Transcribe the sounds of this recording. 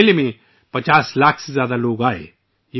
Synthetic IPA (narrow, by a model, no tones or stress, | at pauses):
lmẽ | pɐt͡ʃaːslaːkʰsezjaːd̪aloːɡaːḛː | je